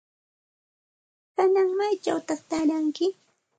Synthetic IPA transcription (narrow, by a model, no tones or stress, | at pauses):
kanaŋmajt͡ʃa̰wt̪aχt̪aɾaŋkɪ